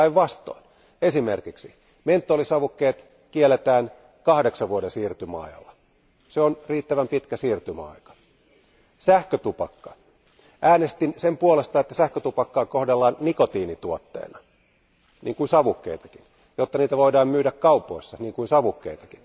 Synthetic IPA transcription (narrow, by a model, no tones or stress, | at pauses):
iʋʋɑst̪o̰ːn | esimerkiksi | ment̪ːolisɑʋukːeːt̪ | kielːˑet̪æːn | kɑhdeksɑʋʋuodesiːrt̪ymæɑ̰ijɑ̰lːɑ | seonriːt̪ːæʋæmpit̪kæsiːrt̪ymæɑ̰ikɑ̥ | sæhkøt̪upɑkːɑ̥ | ʔæːnest̪insempuolest̪ɑet̪ːæsæhkøt̪upɑkːɑːkohdelːɑːnnikot̪iːnit̪uot̪ːḛːnɑ | niːŋkuinsɑʋukːḛit̪ɑ̥kin | jot̪ːɑniːt̪æʋoidɑːmmyːɾækkɑupˑoisːɑniːŋkuinsɑʋukːeit̪ɑkin